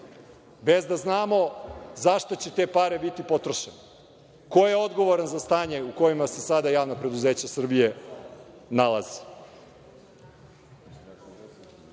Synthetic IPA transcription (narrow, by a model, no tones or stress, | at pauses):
be̞zd̪aznaːmo̞zaʃt̪ot͡ɕe̞t̪e̞ːpaːɾe̞bit̪ipo̞t̪ɾo̞ʃene | ko̞jeo̞d̪ɡo̞ʋo̞ɾanzast̪aːɲe̞uko̞jimase̞sad̪ajaːʋnapɾe̞d̪uzeːt͡ɕasr̩bije̞ | nalˠazi̥